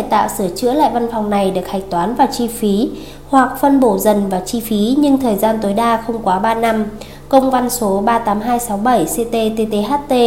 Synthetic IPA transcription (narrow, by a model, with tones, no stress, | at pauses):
t͡ɕa˧˩jt̪a̰ː˧˨wsɨ˧˩ət͡ɕɨ̰˧˥əla̰ː˧˨jva˧nfɔ˨˩wŋ͡mna˨˩jɗɨ˨˩ək̚ha˨˩jŋ̟̚t̪waː˨˦nvaː˨˩t͡ɕi˧fi˨˦ | hwa˨˩k̚fə˧nɓo˧˩zə˨˩nvaː˨˩t͡ɕi˧fi˨˦ɲɨ˧ŋt̪ʰəː˨˩jzaː˧nt̪o˨˦jɗaː˧xə˧wŋ͡mkwaː˨˦ɓaː˧na˧m | kə˧wŋ͡mva˧nso˨˦ɓaː˧t̪aː˨˦mɦaː˧jsa˨˦wɓə˧˩jse˧t̪e˧t̪e˧t̪e˧ɦaː˦˥t̚t̪e˧